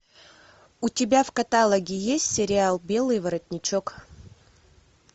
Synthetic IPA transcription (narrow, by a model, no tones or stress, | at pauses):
ʊtʲɪbʲafkɐt̪alˠəɡʲɪjesʲtʲsʲɪɾʲɪalˠbʲe̞lˠɨjvɐɾɐtʲnʲɪt͡ɕok